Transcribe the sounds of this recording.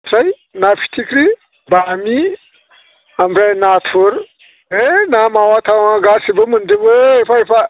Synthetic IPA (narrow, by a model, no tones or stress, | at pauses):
ɾai | nafi̥tʰikɾi | bami | ambɾainafuɾ | enamawataɡasibumundibuifaifa